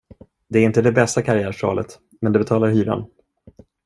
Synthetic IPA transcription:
d̪ɛæɾɪnt̪əd̪ɛbɛst̪akʰaɾɪæːʂɑ̰ːlə̰t̪ | mɛnd̪ɛbɛt̪ʰɑːlaɾhyːɾa̰n

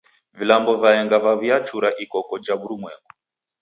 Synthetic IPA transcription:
vilambɔvaɛŋɡavaβiat͡ʃuɾaʔikɔkɔd͡ʒaβuɾumwɛŋɡu

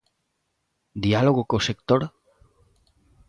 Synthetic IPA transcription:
d̪ialoɣ̞okosekt̪oɾ

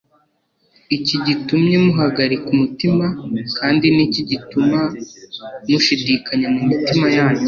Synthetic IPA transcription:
iciɟitumɲemuɦaɡaɾikumutimakaːndiniciɟituma | muʃidiːkaɲemumitimajaːɲɟe

